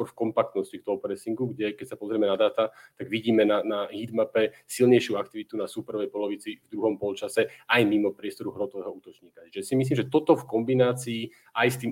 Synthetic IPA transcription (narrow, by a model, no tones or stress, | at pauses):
ɔɾfkɔmpak̚t̪nɔscikt̪ɔɦɔpɾɛsiŋɡuɡɟɛkɛcsapɔzɾiɛmɛnad̪aːt̪at̪aɡʋiɟiːmɛnanaɦid̪mapɛ | silɲɛjʃɪuak̚t̪iʋit̪unasupɛɾɔʋɛjpɔlɔʋit͡sivd̪ɾuɦɔmpɔlt͡ʃasɛajmimɔpɾɪɛst̪ɔɾuɦɾɔt̪ɔʋɛːɦɔuːt̪ɔt͡ʃɲiːkat͡ʃiʒɛsimis̬limʒɛt̪ɔt̪ɔfkɔmbinaːt͡siː | ajst̪iːm